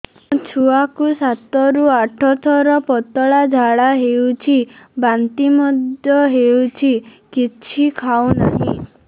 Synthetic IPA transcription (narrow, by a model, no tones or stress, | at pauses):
mũt͡ʃʰuakusat̪ɔɾuaʈʰɔt̪ʰɔɾɔpɔt̪ɔɭad͡ʒʱaɭaɦewt͡ʃʰibant̪imɔd̪jɔɦewt͡ʃʰikit͡ʃʰikʰaunaɦḭ̃